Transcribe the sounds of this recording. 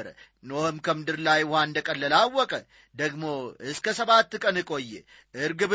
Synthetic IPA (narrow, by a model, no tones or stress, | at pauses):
ɾə | nohɨmkʰəmɨd̪ɨɾlajʊhanɨnd̪əkʼəlːəlawːɔkʼə | d̪əɡmo̞ɨskʰəsəβat̪ːkʼənɨkʼo̞jːɛ | ʔɨɾɡɨb